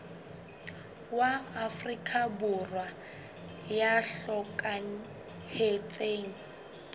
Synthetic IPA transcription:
waːfrikʰʼabʊrwa | jaɬɔkʼan̩ | het͡sʼeːŋ̩

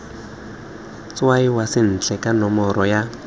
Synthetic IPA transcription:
t͡swaiwasɪn̩t͡ɬʰʼɛkanɔmɔɾɔja

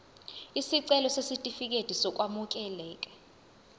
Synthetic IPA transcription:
isiǀɛlɔsesitʼifik̬ʼed̥ʱisɔk̬ʼwamuk̬ʼɛlɛːk̬ʼɛ̥

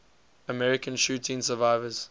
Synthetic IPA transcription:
əmɛɹɪkə̃nʃuːtʰĩŋsəvaɪvəz̥

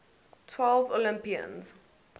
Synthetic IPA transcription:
tʰwɛlvolɪ̃mpiə̰̃nz

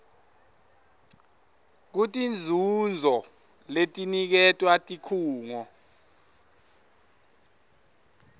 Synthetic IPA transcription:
k̬utʼind͡zʱund͡zʱɔ | letʼinik̬ɛtʼwatʼikʰuːŋɔ

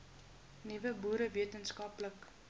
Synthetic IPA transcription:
nivəbuːɾəviətənskɐplək

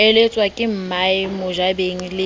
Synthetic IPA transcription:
ɛlet͡sʼwakʼɪm̩maɪmʊʒabeŋ̩lɪ

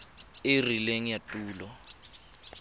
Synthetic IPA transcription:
erileŋijatʼuːlɔ

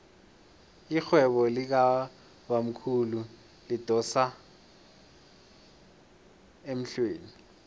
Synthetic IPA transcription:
ixwɛɓɔlik̬a | ɓam̩kʰulu | lid̥ʱɔsa | em̩ɬweːni

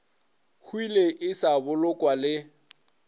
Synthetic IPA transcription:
hʰwileʔɪsabʊlʊkʼwalɪ

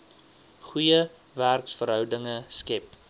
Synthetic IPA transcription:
χujə | værksfəɾɦœwdəŋəskɛp̚

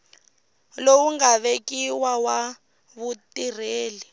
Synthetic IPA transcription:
lowuŋɡaβekiwawa | βutir̤eːli

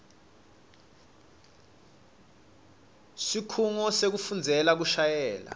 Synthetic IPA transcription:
sikʰuŋɔsek̬ufund͡zʱɛlak̬uʃajɛːla̰

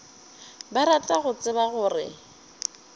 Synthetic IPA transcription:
baɾat͡ɬʼaɣʊt͡sʼɪbaɣʊːrɪ̰

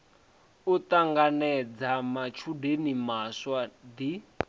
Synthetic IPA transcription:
ut̪aŋɡanɛd͡zamat͡ʃʰudenimaswad̪i

